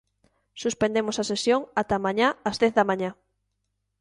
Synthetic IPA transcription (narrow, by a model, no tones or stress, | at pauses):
suspẽnd̪emosɐsesjoŋat̪amãɲaɐzðɛθðɐmãɲa